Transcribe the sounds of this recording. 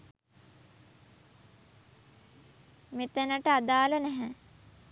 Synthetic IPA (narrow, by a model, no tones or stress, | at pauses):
met̪enəʈəad̪aːlənɛɦɛ